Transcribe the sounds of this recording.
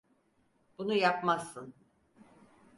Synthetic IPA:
b̥unujapmasːɯn

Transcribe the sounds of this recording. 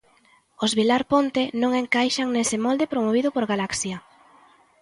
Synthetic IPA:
ozβilaɾpont̪enõŋeŋkajʃaŋnesɪmɔld̪epɾomoβ̞iðʊpoɾɣalaksja

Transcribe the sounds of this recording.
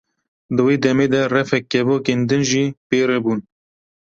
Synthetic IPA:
d̪ɨweːd̪ɛmeːd̪ɛrɛfɛkːɛvoːkeːnd̪ɨnʒiːpeːɾebuːn

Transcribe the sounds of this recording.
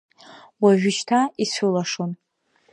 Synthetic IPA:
waʒᶣɪʃtʰaisulaʂon

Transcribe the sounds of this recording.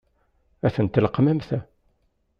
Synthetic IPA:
æθənt̪ːləqːmæmθæ

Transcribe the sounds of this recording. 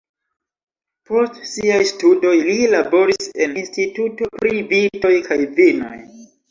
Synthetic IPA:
po̞stsiajstudo̞jlilabo̞ɾiseninstituto̞pɾivito̞jkajvino̞̰j

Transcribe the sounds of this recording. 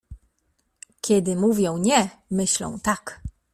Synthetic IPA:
kʲʰɛd̪ɘmuvʲjɔ̃w̃ɲɛmɘɕlɔ̰̃w̃t̪ak

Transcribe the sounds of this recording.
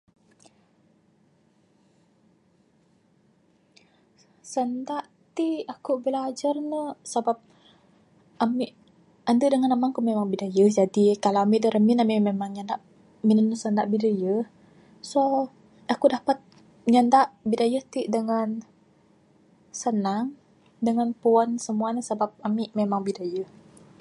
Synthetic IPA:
səndaʔ | t̪iakuʔbəlad͡ʒarnəsabap̚ | amiʔ | andədəŋanamaŋkumemaŋbidajəhd͡ʒadikalaamiʔdəɾəminamimemaŋɲandaʔ | minənəsəndaʔbidajəh | so | akudapat̪̚ | ɲandaʔbidajəht̪iʔdəŋan | sənaŋ | dəŋanpuansəmuanəsabap̚amiʔmemaŋbidajəh

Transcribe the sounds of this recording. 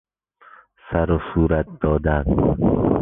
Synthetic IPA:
sæɾosuːɾæt̪̚d̪ɒːd̪æn

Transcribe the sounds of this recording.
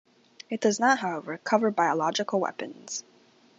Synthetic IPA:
ɨt̚d̥ʌznət̚ɦaʊɛvə˞kʰʌvə˞baɪəlɑd͡ʒɨkl̩ˠwɛ̰pɨ̃nz̥

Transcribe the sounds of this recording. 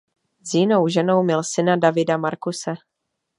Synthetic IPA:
zjɪnowʒɛno̞wmɪlsɪnadavɪdamaɾkusɛ

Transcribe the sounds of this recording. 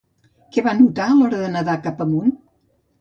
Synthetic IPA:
kɛβanut̪aəlɔɾəðənəðakapəmun

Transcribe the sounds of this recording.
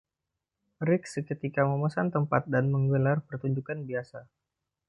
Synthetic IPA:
ɾɪkskət̪ikaməməsant̪əmpat̪̚danməŋɡəlarpərt̪uɲd͡ʒukanbiasa

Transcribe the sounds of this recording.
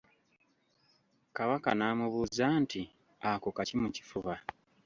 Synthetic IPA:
kaβaka̰naːmuβuːzaːnti | akokacimuci̥fuβa

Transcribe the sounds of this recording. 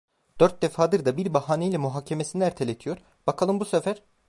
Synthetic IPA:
d̪̥ø̞ɾt̪̚d̪efaːd̪ɯɾd̪abiɾbaɦaːnejlʲɛmuɦaːcʰe̞mesiniæɾt̪ʰelʲet̪ʰijo̞ɾ | b̥akʰalˠɯmbusefæɾ̥

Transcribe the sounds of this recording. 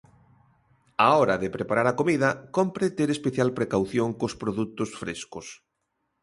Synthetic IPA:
aɔɾɐðepɾepaɾaɾakomiðɐkompɾet̪eɾespeθjalpɾekawθjoŋkospɾoðut̪ʊsfɾḛskʊs

